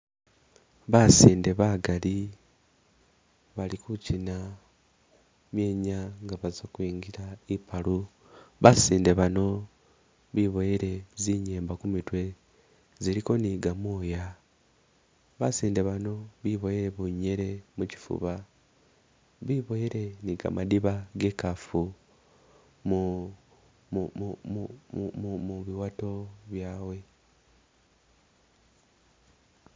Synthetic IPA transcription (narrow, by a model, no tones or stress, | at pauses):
βasiːnde̞βaɡali | βalikucina | mjeːɲaŋɡaβazakwiːŋɡiɾaipalu | βasiːnde̞βano̞ | βiβo̞jeɾe̞ziɲe̞ːmbakumitwe̞ | ziɾiko̞niːɡamoːja | βasiːndeβano̞βiβo̞jeɾe̞βuɲe̞ɾe̞muci̥fṵβa | βiβo̞jeɾe̞niɡa̰madiβaɡe̞ːkafu | mu | umumuβiwato̞βjaːwe̞